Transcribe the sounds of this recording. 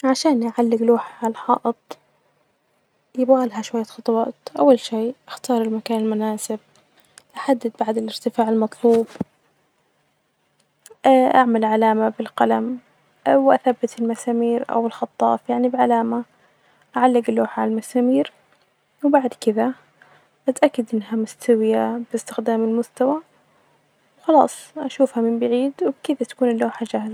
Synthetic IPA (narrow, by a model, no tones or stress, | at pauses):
ʕaʃaːnʔaʕalːɪɡluːħʕalaħɑːʔɨt̪ˤ | jɪbɣalɦaʃwajːaxɑt̪ˤwɑːt̪ʔawːalʃiːʔaxt̪ɑːɾˤɪlmakaːnɪlmʊnaːsɪb̚ | ʔaħad̪ːɪd̪̚baʕd̪ɪlɪɾt̪ɪfaːʕɪlmɑt̪ˤluːb | ʔʔaʕmalʕalaːmabɪlqalam | wʔa̰θabːat̪ɪlmasaːmiːɾʔa̰wɪlxɑt̪ˤːɑ̰ːfjaʕnibʕalaːma | ʔaʕalːɪɡɪlːoːħʕalalmasaːmiːɾ | wbaʕd̪kɪða | ʔat̪ʔakːad̪ʔɪnːɦamʊst̪awɪjab̥ɪst̪ɪxd̪aːmɪlmʊst̪awa | wxɑlɑːsˤʔaʃuːfhamɪmbaʕiːd̪wbkɪðat̪ḁkuːnɪlːoːħad͡ʒahza